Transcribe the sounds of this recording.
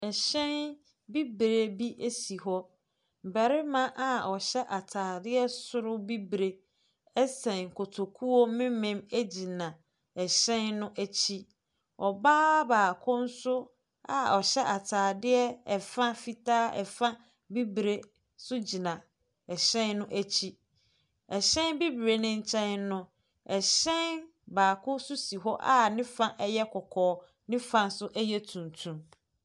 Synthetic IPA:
ɛ˨ɕɛ̃˦n | bi˦bɾe˨bi˦ʔe˦si˨ɦɔ˦ | m̩˨bɛ˨ɾɪ˦mã˦ʔa˨ɔ˨ɕɛ˦ʔa˨tʰaː˨dɪ˦ɛ˦sʊ˦ɾʊ˦bi˦bɾe˨ | ɛ˦sɛ̃˨ŋ˨kʰo˨tʰo˨kʰu˦wo˦mɪ̃˦mɪ̃˦mæ˦d͡ʑi˨nã˨ | ɛ˨ɕɛ̃˦nːʊ̃˦ʔæ˦t͡ɕʰi˦ | ɔ˨baː˦baː˨kʰʊ̃˦n̩˦sʊ˦ | a˨ɔ˨ɕɛ˦ʔa˨tʰaː˨dɪ˦ɛ˦ɛ˨fã˦fi˦tʰaː˦ɛ̰˨fã˦ | bi˦bɾe˦ | sʊ˦d͡ʑi˨nã˨ | ɛ˨ɕɛ̃˦nnʊ̃˦ʔæ˦t͡ɕʰi˦ | ɛ˨ɕɛ̃˦nbi˦bɾe˨˦nɪ̃˦ɲ̩˦t͡ɕʰɛ̃˦nnʊ̃˦ | ɛ˨ɕɛ̃˦n | baː˨kʰʊ̃˦sʊ˦si˨ɦɔ˦ʔa˦nɪ̃˦fã˦ʔɛ˦jɛ˦kʰɔ˨kʰɔː˨˦ | nɪ̃˦fã˨n˦sʊ˦ʔɛ˦jɛ˦tʰũ˨ntʰũ˨m

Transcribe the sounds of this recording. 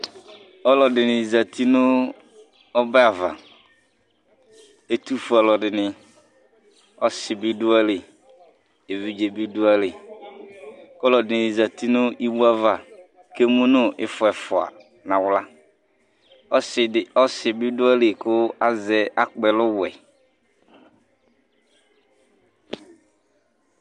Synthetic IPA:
ɔ˦lɔ˨dɪ˨nɪ˨za˨tʰi˦nʊ˦ | ɔ˦bɛ˦a˨va̰˨ | e˨tu˦fʊ˨a˨lɔ˨dɪ˨nɪ˨ | ɔ˦sɪ˨bɪ˦du˦a˦le˨ | e˨vi˦d͡ʒe˨bi˦du˦a˦lɪ˨ | kɔ˦lɔ˨dɪ˨nɪ˨za˨ti˦nʊ˦ʔi˦bu˦a˦va˨ | ke˦mũ˦nʊ̃˦ʔɪ̰˦fʊ˨ɛ˨fʊ˨a̰˨ | nã˨wla˦˨ | ɔ˦sɪ˨bɪ˦dʊ˦a˦le˨kʊ˦a˦zɛ˨a˦k͡pɛ˨lʊ˦wɛ̰˨

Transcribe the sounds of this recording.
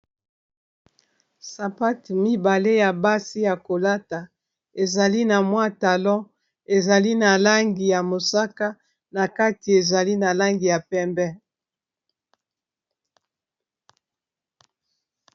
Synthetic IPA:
sa˨pa˦tmi˦ba˨le˦ja˨ba˦si˦ja˨ko˨la˦ta˨ | e˨za˨li˦na˨mwa˦ta˨lɔ̃˦ | e˨za˨li˦na˨la˦ŋɡi˨ja˨mo˨sa˦ka˦ | na˨ka˦ti˨e˨za˨li˦na˨la˦ŋɡi˨ja˨pɛ˦mbɛ˦

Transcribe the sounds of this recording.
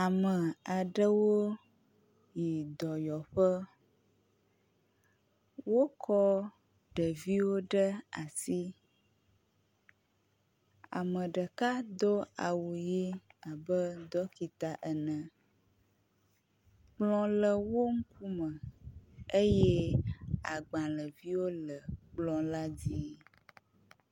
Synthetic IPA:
a˨mə̃˨a˨ɖə˦wo˦ | ji˨d̪ɔ˨jɔ˨ɸə˦ | wo˦kʰɔ˦ | ɖə˨vi˦wo˦ɖə˦a˨si˦ | a̰˨mə̃˨ɖə˨ka˦d̪o˦a˨wu˨ji˦a˨bə˦d̪ɔ˦ki˨t̪a˨ʔə˨nə̃˨ | ɡ͡blɔ̃˦lə˨wo˦ŋ̩˦ku˦mə̃˨ | e˦jɛ˦a˨ɡ͡bã˨lə˨vi˦wo˦lə˨k͡plɔ̃˦la˦d͡ʑi˦

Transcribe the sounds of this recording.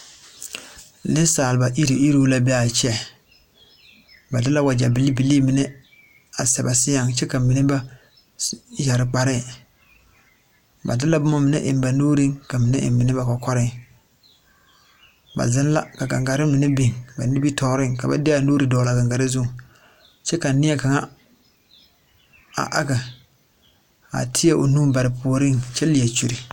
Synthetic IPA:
nɪ˦saː˨lba˨ʔi˦ɾi˨ʔi˦ɾoː˦la˨bɛ˦a˨t͡ʃɛ˦ | ba˨dɪ˦la˦wa˨d͡ʒa˨bi˨lːi˦bi˨li˦mɪ˨nɛ˦ | a˨sɛ˨ba˨sɪ˦ja˨ŋt͡ʃɛ˦ka˨mi˨ne˦ba˦ | ja˨ɾɪ˨k͡pa˨ɾɪ˦˨ | ba̰˨dɪ˦la˦bʊ˦mɔ˦mɪ˨nḛ˦ʔɪ˨mba˨noː˦ɾi˦ŋka˨mɪ˨ne˦ʔɪ̰˨mmɪ˨nɛ˦ba˨kɔ˨kɔ˦ɾɪ˦ŋ | ba̰˨zɪ˦n˦la˦ka˨ɡa˨ŋɡa˨ɾɪ˦mɪ˨nɪ˦bi˨ŋba̰˨ni˦bi˦tʰɔː˨˦ɾɪ˦ŋka˨ba̰˦dɪ˦a˨nuː˦ɾi˨dɔː˨la˨ɡa˨ŋɡa˨ɾɪ˦zu˦˨ | t͡ʃɛ˦ka˨nɪ˦ɛ˦ka˨ŋa˦ | a̰˨ʔa˦ɡa˨ | a̰˨tʰɪ˦a˦ʔo̰˨nuː˦ba˨ɾɪ˨pʰu˨o˨ɾɪ˦ŋt͡ʃɛ˦lɪ˨a˨t͡ʃu˨ɾi˨

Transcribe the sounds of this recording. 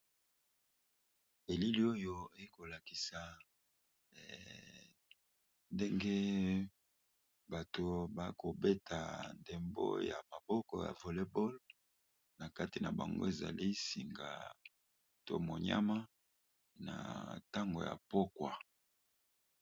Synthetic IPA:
e˨li˦li˦o˦jo˦e˦ko˨la˨ki˨sa˨ | nde˦ŋɡe˦ | ba˨to˨ba˦ko˨be˦tʰa˨nde˨mbo̰˦ja̰˨ma˨bɔ˦kɔ̰˨ja̰˨vo˨le˦bo˦l | na˨ka˦ti˨na˨ba̰˨ŋɡo̰˦e˨za̰˨li˦si˨ŋɡa̰˨ | to̰˦mo˨ɲa̰˦ma˦ | na̰˨ta˦ŋɡo̰˨ja̰˨po˦kwa˨

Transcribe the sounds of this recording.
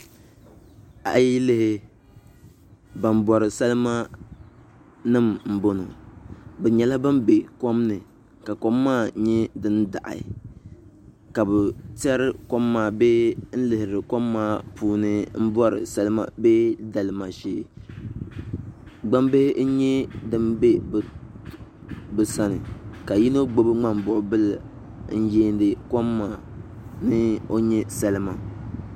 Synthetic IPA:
a̰˨˦ji˦lɪ˦hɪ˦ | ba˨m˦bɔ˨ɾɨ˨sa˦lma˦ | nɨ˦mm̩˨bo˦no̰˨bɛ˨ɲɛ˨la˦ba˦mbe˨kɔ˦mnɨ˨ | ka˨kɔ˦mːaː˦˨ɲɛ˦dɨ˦n˦da̰˨ʔa̰˨ | ka˨bʊ˨tɛ˦ɾɨ˦kɔ˦mːaː˨be˦n̩˦lɨ˨hɪ˨ɾɨ˨kɔ˦mːaː˦pʰuː˦nɨ˦m̩˦bɔ˦ɾɨ̰˨sɛ˦lɨ˦ma̰˦be˦da˨lɨ˨ma˨ʃeː˨ | ɡ͡ba˦mbe˦hɪ˦n̩˦ɲɛ˦dɨ˦mbe˦ | bɨ˨sa˦nɨ̰˨ka˨ji˦no˦ɡ͡bo˦bɨ˦ŋ͡ma˦mbʊ˨ʔʊ˨bɨ˦l | n̩˦jeː˦ndɨ˨kɔ˦mːaː˨ | nɨ˦o˦ɲɛ˦sɛ˦lɨ˦ma˨

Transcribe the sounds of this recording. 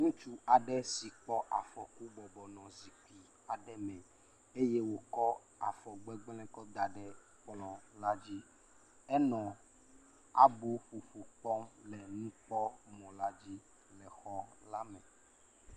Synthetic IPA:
ŋũ˦t͡ʃu˦a˨ɖɛ˦si˨k͡pɔ˦ʔa˨fɔ˨ku˦bɔ˨bɔ˨nɔ̃˨zi˨ki˨ | a˨ɖɛ˦mɛ̃˨ | e˦je˦wo˦kɔ˦ | a̰˨fɔ˨ɡ͡bɛ˦ɡ͡blɛ̃˦kɔ˦d̪a˨ɖɛ˨ | k͡plɔ̃˨la˦d͡ʑi˦ | ɛ˦nɔ̃˨ | a˨bu˦ɸu˨ɸu˨k͡pɔ˦mlɛ˨nũ˦k͡pɔ˦mɔ̃˨la˦d͡ʑi˦ | lɛ˨xɔ˦la˦mɛ̃˨

